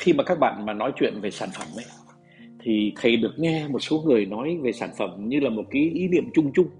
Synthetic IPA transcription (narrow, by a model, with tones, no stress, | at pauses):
xi˧maː˨˩kaː˦˥k̚ɓa̰ː˧˨nmaː˨˩nɔ˨˦jt͡ɕwḭ˧˨ənve˨˩saː˧˩nfə˧˩mʔə˨˦j | t̪ʰi˨˩t̪ʰə˨˩jɗɨ˨˩ə˩k̚ŋɛ˧mo˨˩t̚so˨˦ŋɨ˨˩əjnɔ˨˦jve˨˩saː˧˩nfə˧˩mɲɨ˧laː˨˩mo˨˩t̚kaː˨˦jʔi˨˦nḭ˧˨əmt͡ɕʊ˧ŋ͡mt͡ɕʊ˧ŋ͡m